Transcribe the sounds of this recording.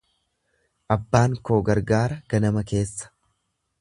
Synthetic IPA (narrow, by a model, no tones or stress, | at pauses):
ʔɐbːaːŋkoːɡɐɾɡaːɾɐɡ̥ɐnɐmɐke̞ːsːɐ̥